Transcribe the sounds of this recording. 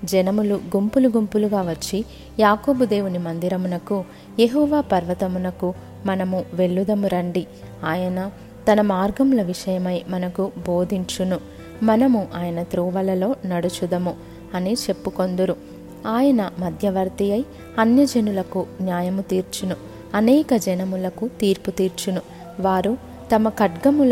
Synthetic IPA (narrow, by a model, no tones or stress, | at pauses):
d͡ʒɛnɐmuluɡumpuluɡumpuluɡaːʋɐt͡ʃːi | jaːko̞ːbud̪e̞ːwunimɐnd̪iɾɐmunɐku | jeɦɔːʋaːpɐɾʋɐt̪ɐmunɐku | mɐnɐmuʋe̞ɭːud̪ɐmuɾɐɳɖi | aːjɐnɐ | t̪ɐnɐmaːɾɡɐmlɐʋiʂɐjɐmɐjmɐnɐkubo̞ːd̪ʱiɲt͡ʃunu | mɐnɐmuʔaːjɐnɐt̪ɾuːʋɐlɐlo̞ːnɐɽut͡ʃud̪ɐmu | ɐnit͡ʃe̞pːuko̞nd̪uɾu | aːjɐnɐmɐd̪ʱjɐʋɐɾt̪ijɐj | ɐnjɐd͡ʒɐnulɐkunjaːjɐmut̪iːɾt͡ʃunu | ɐnɛːkɐd͡ʒɐnɐmulɐkut̪iːɾput̪iːɾt͡ʃunu | ʋaːɾu | t̪ɐmɐkɐʈɡɐmul